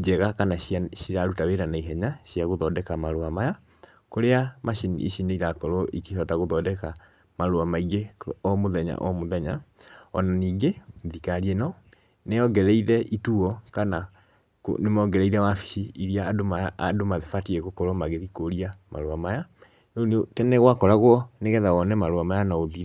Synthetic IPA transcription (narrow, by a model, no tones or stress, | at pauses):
d͡ʒɛɣakanaaʃijaɾutaweɾanaiɦɛɲaɕiaɣoðɔdɛkamaɾoamaja | koɾeamaʃinḭʔḭʃineiɾakɔɾɔʔikeʃɔtaɣoðɔdɛka | maɾoamaiɣeɔmoðɛɲa̰ʔɔmoðɛɲa̰ɔnaniːɡeðikaɾienɔ | neɔɡɛɾɛiɾɛʔituɔkana | knemɔɡɛɾɛiɾɛwafi̥ʃiiɾiaːdomaːdomaðefatieɣokɔɾɔmaɣeðikoɾiama̰ɾoamaja | nonotɛnɛɣwakɔɾaɣwɔneɣɛðaɣɔnɛmaɾoamajanaoðiɛ